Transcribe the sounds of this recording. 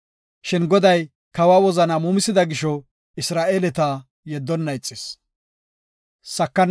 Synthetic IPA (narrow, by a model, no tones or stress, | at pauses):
ʃɪnɡɔd̪ɐj | kɐwaːwɔzɐnɐmuːmɪsɪd̪ɐɡɪʃɔ | ɪsɾaːʔelɛt̪a | jɛd̪ːɔnːɐɪt͡sʼːɪs | sɐkːɐn